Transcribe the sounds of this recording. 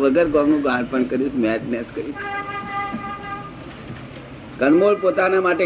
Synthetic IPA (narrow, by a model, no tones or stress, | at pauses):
ʋəɡəɾɡɔŋnũɡãɳpəɳkəɾiːt̪mɛʈnɛskəɾit̪ | kənmoɽpot̪anamaʈe